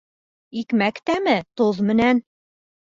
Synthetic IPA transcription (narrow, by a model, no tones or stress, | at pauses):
ikmækt̪æmɘt̪oðmɘ̆næn